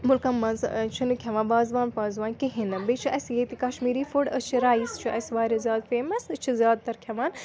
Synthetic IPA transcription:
mʊlkɐmɐ̃nzt͡ʃʰunɨkʲʰɐʋãːbaːzʋaːnpaːzʋaːnkeɦinɐbet͡ʃʰuʔɐsjeːt̪ikɐʃmiːɾiːfʊɽɐt͡ʃʰiɾaːist͡ʃʰuʔɐsʋaːɾʲɐzʲjaːd̪feːmɐsɐt͡ʃʰizʲjaːd̪̚t̪ɐɾkʰjɐʋaːn

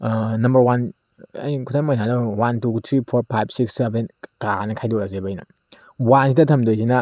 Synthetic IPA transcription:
nɐmbɐɾwan | a̰jikʰutʰamojnanɐwantut̪ʰɾipʰoɾpʰajb̚siksebenkanɐkʰajdɔlazebɐjnɐ̰ | wansidɐtʰɐmdojsinɐ

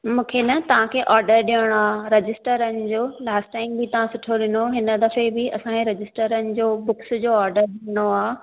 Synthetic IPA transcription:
mũːkʰenɐt̪ɐʋ̤ãkʰeːʔɔːɾɖəɾɗijəɽ̃oaːɾɐd͡ʑɪsʈəɾənɪ̆d͡ʑoːlaːsʈʈaːɪmbɪt̪ɐʋãsʊʈʰoɗɪnoɦɪnə̆d̪ɐfebɪɐsãkʰeɾɐd͡ʑɪsʈəɾənɪ̆d͡ʑoːbʊksd͡ʑoːɔːɾɖəɾɗijəɽ̃oaː

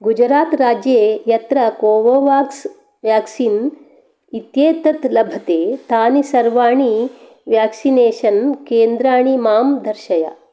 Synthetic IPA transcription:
ɡud͡ʒɾaːt̪ɾaːd͡ʒjeːjɐt̪ɾɐkoːʋoːʋaːks | ʋjaːksiːn | it̪jeːt̪ɐt̪lɐbʱɐt̪eːt̪aːnisɐɾʋaːɳi | ʋjaːksineːʃɐnkeːnd̪ɾaːɳimaːmd̪ʱɐɾʃɐja̰

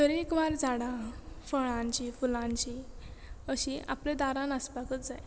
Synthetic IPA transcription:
d̪əɾekʋaɾd͡zaɽãfəɭãɲt͡ɕifulãɲt͡ɕi | əɕiʔa̰plẽd̪aɾãnəspakət͡sd͡zaj

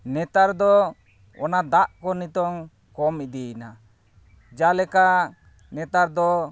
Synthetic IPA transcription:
nɛt̪aɾd̪ɔ | ɔnad̪aʔkɔnit̪ɔŋ | kɔmid̪ɛna | d͡ʒalɛka | nɛt̪aɾd̪ɔ

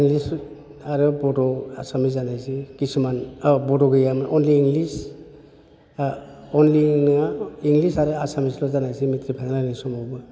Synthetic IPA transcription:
iŋlis | aɾɯbɔtɔa̰samizanajsikismanbɔtɔɡɯjamɯʔɔnliːŋlis | ɔnlinɯaiŋɡlisaɾɯasamislɔzanajsimitɾipʰaŋnanisɔmɔwbɯ

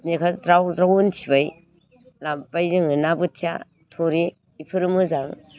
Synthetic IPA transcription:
nikʰazɾawzɾawontʰibaj | lampajzɯŋɯnabɯtʰija̰ | tʰoɾi | ipʰɯɾɯmɯzaŋ

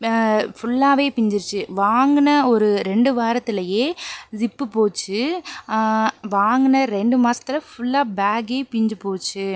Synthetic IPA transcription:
fʊɭːaːʋeːpɪɲd͡ʒɪɾt͡ʃːɯʋaːŋɡɯnɐɔɾɯɾɛɳɖɯʋaːɾɐt̪ːɪlɐjeːsɪpːɯpoːt͡ʃːɯ | ʋaːŋɡɯnɐɾɛɳɖɯmaːsɐ̥t̪ːɪlɐfʊɭːaːbaːɡeːpɪɲd͡ʒɯpoːt͡ʃːɯ

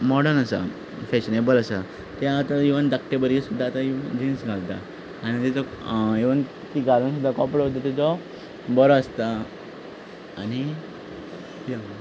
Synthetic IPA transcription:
mɔɽənasa̰ | fɛɕnebələsa | t̪jaːt̪aiʋənd̪akʈebəɾisud̪ʱːaːt̪aid͡ʑinsɡʱalt̪a̰ | añit̪ɛt͡sɔiʋən | k̪iɡalunsud̪ʱːakɔpɽot̪ːat̪ɛt͡sɔ | bɔɾɔəst̪a | ni | ja

